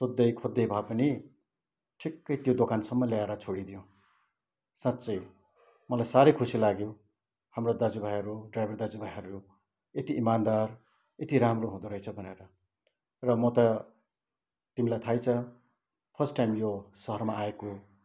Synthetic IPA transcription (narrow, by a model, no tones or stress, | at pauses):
sod̪ːʌjkʰod̪ːʌjbʱapʌni | ʈʰikːʌjt̪jod̪okansʌmːʌlaaɾʌt͡sʰoɽid̪ijõ | sãt̪ːt͡sʌj | mʌlajsaɾʌjkʰusilaɡjo | hamrod̪ad͡zubʱajʌɾuɖrajbʱʌrd̪ad͡zubʱajɦʌɾu | et̪iʔimand̪ar | et̪iɾamroɦũd̪uɾʌjt͡sʰʌbʱʌneɾʌ | rʌmʌt̪ʌ | t̪imilajt̪ʰajt͡sʰʌ | pʰʌsʈajmjosʌɦʌrmaːeko